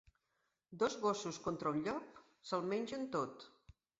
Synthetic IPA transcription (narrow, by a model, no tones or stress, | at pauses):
d̪ɔzɣosuskont̪ɾəuɲʎɔk̚ | səlˠmɛnʲʒənt̪ot̪